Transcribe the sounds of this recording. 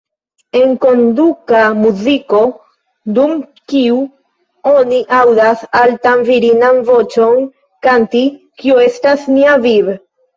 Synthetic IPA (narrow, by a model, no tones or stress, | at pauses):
e̞ŋko̞ndukamuziko̞ | dumkiu | o̞niʔawdasaltanviɾinanvo̞t͡ʃo̞n | kanti | kioe̞stasniaviɾ